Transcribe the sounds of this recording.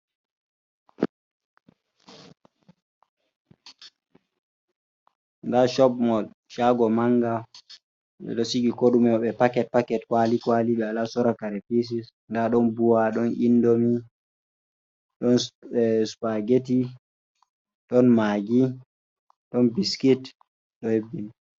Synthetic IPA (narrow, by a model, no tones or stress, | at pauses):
ŋɡaʃɔbmɔl | ʃaɡɔmaŋɡa | ɓɛ̰ɗosiɡikoɗumɛɔɓɛpakɛt̚pakɛtkwalikwaliɓɛalasɔɾakaɾɛpis̬is | ŋɡaɗɔnbuwaɗɔnʔḭndomi | ɗɔnspaɡeti | ɗɔnmaɡi | ɗɔnbiskit | ɗɔhebːini